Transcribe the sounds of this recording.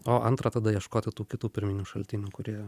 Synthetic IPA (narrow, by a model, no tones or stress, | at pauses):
oːʔɐnt̪ɾɐt̪ɐd̪ɐjiɛʃkoːt̪ʲɪt̪uːkʲɪt̪uːpʲɪɾʲmʲɪnʲuːʃɐlʲt̪ʲɪnʲuːkʊɾʲiɛ